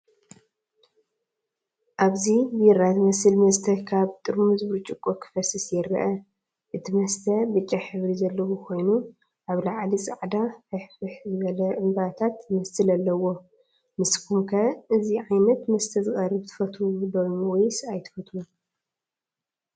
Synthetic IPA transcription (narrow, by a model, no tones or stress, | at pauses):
ʔaβzibjɛɾat̪mɐsɨlmɐst̪ʰɐkʰaβt̪ʼɨɾmumɨzbɨɾt͡ʃʼɨkʼːokʰɨ̥fɐsɨsjɛɾɐ̰ʔɐ | ʔɨt̪ʰimɐst̪ʰɐbɨt͡ʃʼːaħɨβɾizɐlːɐwukʰo̞jnu | ʔaβlaʕlisʼaʕd̪afɨħfɨħzɨβɐlɐʔɨmbat̪ʰat̪jɨmɐsɨlɐlːɐwo̞ | mɨskʰumkʰɐʔɨziʕajnɐt̪mɐst̪ʰɐzɨχʼɐrɨbt̪ʰɨ̥fɐt̪ʰud̪ojwɔjsajt̪ʰɨ̥fɐt̪ʰlu